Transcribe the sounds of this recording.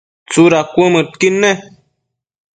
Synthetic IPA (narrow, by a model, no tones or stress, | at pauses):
t͡suɾakʷməʈ̚kinːe